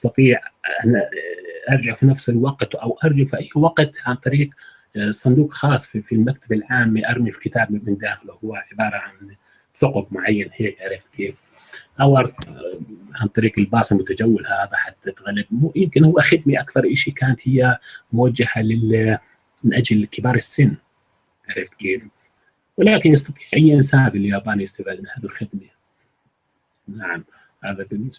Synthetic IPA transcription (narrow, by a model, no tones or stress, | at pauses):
ʔɑsˤt̪ɑt̪ˤiːʕa | ʔɑɾˤd͡ʒaʕfinafsɪlwɑqt̪ʔawʔɑɾˤd͡ʒaʕfiʔajːwɑɡt̪ʕant̪ˤɑɾiːq | sˤʊnd̪uːqxɑːsˤːfifilmak̚t̪ʰabɪlʕaːmːiʔɑɾˤmifi̥kɪt̪aːbmmɪnd̪aːxɪluhʊwːaʕɪbɑːɾˤɑʕan | sʊqʊbmʊʕajːanheːkʕaɾˤɪft̪keːf | ʔawʔɑ | ʕant̪ˤɑɾiːqɪlbɑːsˤɨmʊt̪ad͡ʒawːɪlhaːðaħat̪ːat̪ɣalːɪb̚mjɪmkɪnhʊwːaxɪd̪miʔakθɑɾˤʔɪʃikaːnat̪hɪjːamʊwad͡ʒːahalɪ | mɪnʔad͡ʒlkɪbɑːɾˤɪsːɪnː | ʕaɾˤɪft̪keːf | wɪlaːkɪnjɑs̬t̪ɑt̪ˤi̥ːʕʔɪjːnsaːbɪljaːbaːnijɪst̪afɪd̪mɪnhaːðɪlxɪd̪ma | naʕam | haːðabɪnːɪs